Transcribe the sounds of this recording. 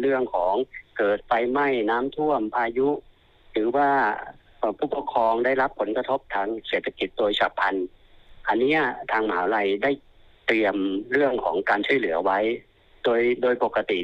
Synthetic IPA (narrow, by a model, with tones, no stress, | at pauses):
ɾɯ˥˩əŋkʰɔː˩˦ŋkɤː˨˩t̪̚fa˧jma˥˩jnaː˦˥mt̪ʰu˥˩əmpʰaː˧ju˦˥ʔ | tɯː˩˦waː˧˥˩ | ʔpʰuː˧˥˩po˧˥kʰːɾɔː˧ŋda˥˩jla˦˥pʰːo˩˦nka˧t̪ʰo˦˥p̚t̪ʰaː˧ŋseː˨˩t̪ʰːa˧ki˧˦t̪̚doː˧jsʰa̰ː˨˩pʰːa˧nʔa˧nːi˦˥ɐt̪ʰaː˧ŋmaː˨˩˦wla˧jda˥˩j | t̪i˧əmɾɯ˥˩əŋkʰɔː˩˦ŋkaː˧nt͡ɕʰu˥˩˨jlɯ˩˦ɐwa˦˥j | doː˧jdoː˧jpo˨˩kːa˧t̪i˨˩